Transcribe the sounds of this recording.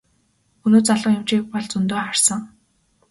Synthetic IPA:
ɵnoːt͡saɮə̆ŋjʊmt͡ɕiːk̚pɔɮt͡sɵnt̪oːχar̥sə̆ŋ

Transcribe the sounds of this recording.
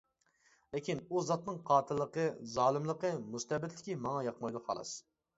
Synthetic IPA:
lɪkʲʰinuzɑt̪nɨŋqʰɑːt̪ʰɨlˠːəqəzɑːlˠɨmlˠəqəmust̪ɛbɪt̪lɪkʲimɑŋɑjɑqmɑjd̪ʊhɑ̰lˠɑ̰s

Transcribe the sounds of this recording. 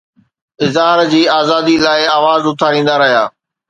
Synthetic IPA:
ɪzɦaːɾd͡ʑiːaːzaːd̪iːlaːɪaːʋaːzʊt̪ʰaɾĩːn̆d̪aɾɐɦijaː

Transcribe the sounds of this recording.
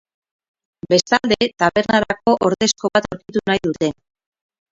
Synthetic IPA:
be̞st̪ald̪e̞t̪aβe̞ɾnaɾako̞ʔoɾðe̞sko̞βat̪oɾkit̪unajðut̪e̞

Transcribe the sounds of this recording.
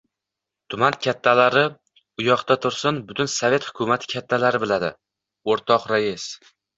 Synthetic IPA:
t̪ʰʊmankʲʰat̪ʰːalaɾɪ | ʊjɒqt̪at̪ʰʊɾsɪnbʊt̪ʰʊnsavʲe̞t̪hʊ̥kʰʊmat̪ʰɪ̥kʲʰat̪ʰːalaɾɪbɪlad̪ɪ̰ | oɾt̪ʰɒqɾajɪs

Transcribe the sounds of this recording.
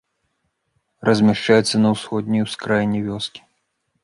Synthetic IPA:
rɐzʲmʲɛʂt͡ʂajɛt̪sːɐnɐwsxɔd̪̚ʲnʲijwskɾajnʲːɛvʲɔskʲi̥

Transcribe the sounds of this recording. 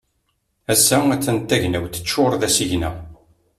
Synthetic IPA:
æsːææt͡sːənt̪ːæʝnæwθə̥t͡ʃːoɾˤðæsiʝnæ̰

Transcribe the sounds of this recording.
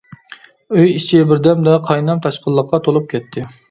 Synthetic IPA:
øjit͡ʃʰɪbɪɾd̪ɛmd̪ɛqʰɑjnɑmt̪ʰɑʃqəlˠːəqʰːɑt̪ʰolˠup̚kʲʰɛt̪ʰːɪ

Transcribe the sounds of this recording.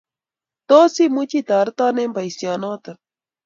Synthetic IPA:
t̪osimʊt͡ʃit̪aɾt̪anempajsjanot̪a

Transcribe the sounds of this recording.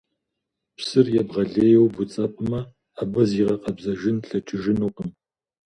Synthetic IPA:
psɨrjɛbʁɐɮeːjɛwbʊt͡sʼɐpʼɨmɐ | abɐziːʁɐqɐbzɐʒɪnɬɐt͡ʃʼɨʒɪnuːqəm

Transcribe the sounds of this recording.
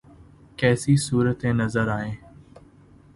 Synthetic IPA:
kɛːsisuːɾət̪ẽnɐzəɾaːɦẽː

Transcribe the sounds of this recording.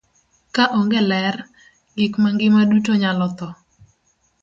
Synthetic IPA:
kaʔɔŋɡɛlɛr | ɡɪkmaŋɡɪmadutoɲalɔt̪ɔ

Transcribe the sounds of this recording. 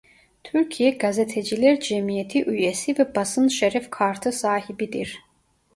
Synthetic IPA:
t̪ʰyɾcʰijɛɡazet̪ʰɛd͡ʒilʲɛɾd͡ʒɛmijet̪ʰiʔyjesivɛbasɯnʃɛɾɛfkʰaɾt̪ʰɯsaːhibid̪iɾ

